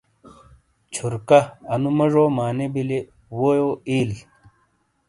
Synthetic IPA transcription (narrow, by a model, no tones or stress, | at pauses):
t͡ɕʰuɾkɐɐnumɐʐoːmaːnebile | woːjoːiːl